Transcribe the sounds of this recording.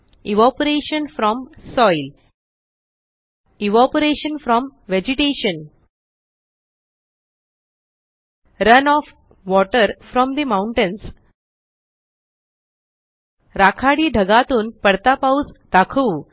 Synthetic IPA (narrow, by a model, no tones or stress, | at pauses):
iʋɔpəɾeɕənfɾɔmsɔjl | iʋɔpəɾeɕənfɾɔmʋed͡ʑiʈeɕən | ɾənɔf | ʋɔʈəɾfɾɔmd̪imawũɳʈẽns | ɾakʰaɽiːɖʱəɡat̪uːnpəɽt̪apawsd̪̥akʰuː